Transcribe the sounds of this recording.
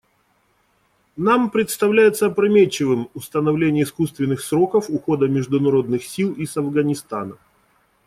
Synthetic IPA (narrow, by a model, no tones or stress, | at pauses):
nampɾʲɪt̪st̪ɐvlʲæjɪt̪səɐpɾɐmʲet͡ɕːɪvɨmʊst̪ənɐvlʲenʲɪjəɪskust̪vʲɪnːɨxsɾo̞kəfʊxo̞d̪əmʲɪʐd̪ʊnɐɾo̞d̪nɨxsʲilˠisɐvɡənʲɪst̪a̰nə